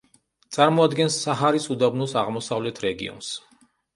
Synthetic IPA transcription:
t̪sʼaɾmɔad̪ɡɛnsːaɦaɾisud̪abnusaʁmɔsavlɛt̪ʰɾɛɡḭɔ̰ns

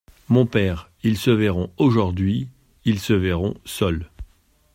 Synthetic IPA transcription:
mɔ̃pɛːʁ | ilsəvɛʁɔ̃oʒuʁd̪ɥi | ilsəvɛʁɔ̰̃sœl

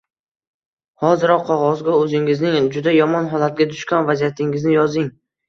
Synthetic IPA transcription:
hɒzɪɾɒqʰːɒʁɒzɡʲaɵzɪŋɪznɪŋd͡ʒʊd̪ajɒmɒnɦɒlˠat̪̚ɡʲad̪ʊʃkʲɒnvazijat̪ʰɪŋɪznɪjɒzɪŋ

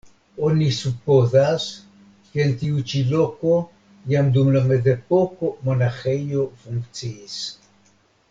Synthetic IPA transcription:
onisupozas | keːnt̪iut͡ʃiloko | jamd̪umlamezepokomonaxejofuŋk̪t͡siːs

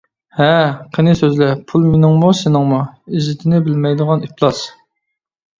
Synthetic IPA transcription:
hɛqʰənɪsøzlɛpʰulˠmenɪŋmusɪnɪŋmuizɪt̪ʰɪnɪbɪlmɛjd̪əʁɑniplˠɑs

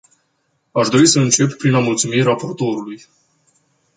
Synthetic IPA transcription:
aʃd̪o̞ɾisəɨnt͡ʃe̞ppɾinamult̪sumirapo̞rt̪o̞ɾuluj

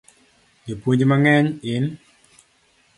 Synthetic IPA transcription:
epwuɲd͡ʒmaŋɛɲɪn

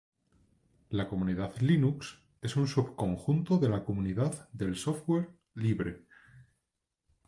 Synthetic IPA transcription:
lako̞muniðaðlinuks | e̞sunsuβko̞ŋxunt̪o̞ðe̞lako̞muniðaððe̞lso̞fwe̞ɾ | liβɾe

